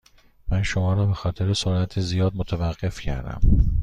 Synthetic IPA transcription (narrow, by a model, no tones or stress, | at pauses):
mænʃo̞mɒːɾɒːbe̞xɒːt̪ʰe̞ɾesoɾæt̪ʰezijɒːd̪̚mot̪ʰevæɢːe̞fcʰæ̰ɾd̪æ̰m